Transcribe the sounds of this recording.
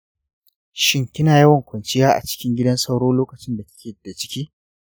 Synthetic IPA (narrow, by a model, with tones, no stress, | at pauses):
ʃɪ˦ŋkʲɪ˦naː˨jɐ˦wɐ˨ŋkʷɐ˨nt͡ʃɪ˦jaː˦ʔa̰˨t͡ʃɪ̥˦kʲɪ˦ŋɡʲɪ˦dɐ˦nsɐ˦wɽoː˦loː˦kɐ˨t͡ʃɪ˦nda˨tɐ̥˦kʲʰeː˨da˨t͡ʃɪ̥˦kʲiː˦